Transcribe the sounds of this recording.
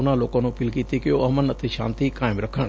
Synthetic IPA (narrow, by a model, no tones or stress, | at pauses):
ʊnãloːkõnũpiːlkiːt̪ikɪjoɐmənət̪ʰeʃa̰ːnt̪ikaːɪmɾɐkʰəɽ̃